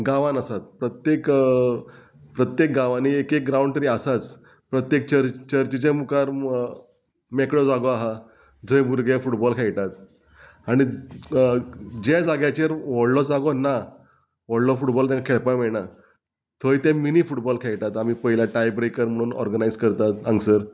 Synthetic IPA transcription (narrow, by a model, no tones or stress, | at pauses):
ɡaʋanəsat̪̚pɾət̪jek | pɾət̪jek̚ɡaʋaniːekek̚ɡɾauɳʈɾiasat͡s | pɾət̪jek̚t͡ɕəɾt͡ɕəɾt͡ɕit͡ɕẽmukaɾ | mekɽɔd͡zaɡɔaɦa | d͡zʱəjbuɾɡefuʈbɔlkʰeɭt̪at̪̚ | aɽ̃i | d͡ʑed͡zaɡjat͡ɕeɾʋɔɽlɔd͡zaɡɔna | ʋɔɽlɔfuʈbɔlt̪ɛ̃ŋakʰeɭpajmeɭɳa | t̪ʰoit̪ɛ̃miniːfuʈbɔlkʰeɭʈ̪at̪amiːpəɦilaʈajbɾekəɾm̤əɽ̃uːnɔ̰ɾɡənaijd͡zkəɾt̪at̪ə̃ŋɡsəɾ